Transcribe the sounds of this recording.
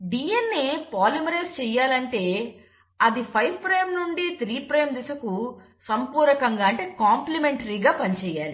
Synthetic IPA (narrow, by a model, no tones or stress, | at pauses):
ɖiːjenːepaːlimɾeːst͡ʃɛːjːaːlɐɳʈe̞ː | ɐd̪ipʰɐjbpɾeːmnuɳɖit̪ɾiːpɾeːmd̪isɐku | sɐmpuːɾɐkɐŋɡaːɐɳʈe̞ːkaːmplimeɳʈɐɾiːɡaːpɐnit͡ʃɛːjaːli